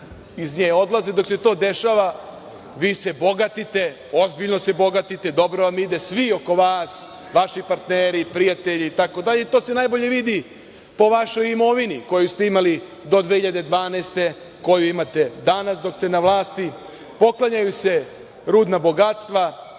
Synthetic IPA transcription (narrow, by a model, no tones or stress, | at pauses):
izɲeːjo̞d̪lazed̪o̞kset̪o̞ːd̪eʃaʋa | ʋiːse̞bo̞ɡat̪it̪e̞ | o̞zbiʎno̞sebo̞ɡat̪it̪e̞d̪o̞bɾoʋamid̪e̞sʋio̞ko̞ʋaːs | ʋaʃipaɾt̪neːɾipɾijat̪eʎiːt̪ako̞d̪aʎe̞it̪o̞ːsenajbo̞ʎe̞ʋid̪i | po̞ʋaʃo̞jimo̞ʋiniko̞just̪e̞imali | d̪o̞d̪ʋehiʎad̪e̞d̪ʋaːneːst̪e̞ | ko̞juimat̪ed̪anasd̪o̞kst̪e̞naʋlˠaːst̪i | po̞klaɲajuse | ɾuːd̪nabo̞ɡat̪st̪ʋa